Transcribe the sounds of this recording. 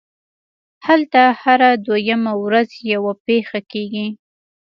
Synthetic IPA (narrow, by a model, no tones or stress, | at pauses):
halt̪ahaɾad̪wajamawɾazjawapexakeɡi